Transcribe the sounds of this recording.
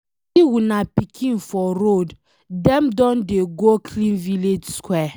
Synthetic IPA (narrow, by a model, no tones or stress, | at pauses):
siwunapikʰĩnfɔɾod | dɛ̃mdɔ̃ndeɡokʰlĩnviled͡ʒskwɛ